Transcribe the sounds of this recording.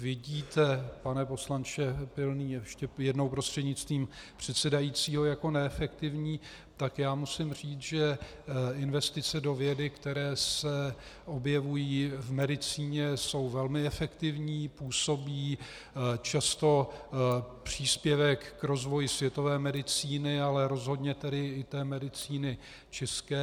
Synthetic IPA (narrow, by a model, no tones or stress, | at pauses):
vɪɟiːt̪ɛpanɛpo̞slant͡ʃɛpɪlniːɛʃcɛjɛdno̞wpɾost̪r̝̥ɛdɲɪt͡st̪viːmpr̝̥ɛt̪sɛdajiːt͡siːɦo̞jako̞nɛɛfɛkt̪ɪvɲiː | t̪akjaːmusɪmr̝iːt͡sʒɛ | ɪnvɛst̪ɪt͡sɛdo̞vjɛdɪkt̪ɛɾɛːsɛ | ʔo̞bjɛvujiːvmɛdɪt͡siːɲɛso̞wvɛlmɪɛfɛkt̪ɪvɲiːpuːso̞biː | t͡ʃast̪o̞ | pr̝̥iːspjɛvɛkːɾo̞zvo̞jɪsvjɛt̪o̞vɛːmɛdɪt͡siːnɪalɛɾo̞zɦo̞dɲɛt̪ɛdɪɪt̪ɛːmɛdɪt͡siːnɪ | t͡ʃɛskɛː